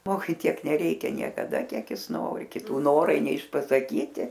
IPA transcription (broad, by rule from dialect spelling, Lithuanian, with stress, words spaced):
ˈʒmoːɡʊɪ ˈtʲiɛk nʲɛˈrʲɛɪkʲɛ nʲiɛkɐˈdɐ ˈkʲiɛk ˈjɪs ˈnoːrʲɪ kʲɪˈtuː ˈnoːrɐɪ nʲɛɪʃpɐsɐˈkʲiːtʲɪ